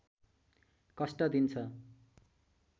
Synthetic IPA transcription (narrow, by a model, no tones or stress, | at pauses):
kʌsʈʌd̪int͡sʰʌ